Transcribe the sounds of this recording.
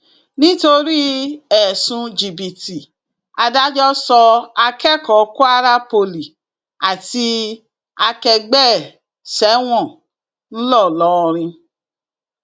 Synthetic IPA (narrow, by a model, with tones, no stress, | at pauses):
nĩ˦to˧ɾi˦ɛ˨sũ˧d͡ʒi˨bi˨ti˨ | a˧da˦d͡ʒɔ˦sɔ˧a˧kɛ˦˨kɔ˨ku˦a˦˧ɾa˦po˧li˨ | a˨ti˧ | a˧kɛ˧ɡ͡bɛ˦˨ | sɛ˨˦w̃ɔ̃˦˨ | n̩˦lɔ˦˨lɔ˨˦ɔ˧ɾ̃ĩ˧